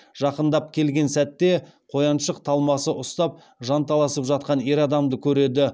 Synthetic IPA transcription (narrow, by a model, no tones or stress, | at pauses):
ʒ̥ɑqənd̪ɑp̚kʲʰe̞lɡʲe̞nsæt̪ːe̞ | qʰo̞jɑnʃəqt̪ʰɑlˠmɑsəʔʊst̪ɑp̚ | ʒɑnt̪ʰɑlˠɑsəpʒɑt̪̚qɑne̞ɾɑd̪ɑmd̪əkʲʰɵɾe̞d̪ɪ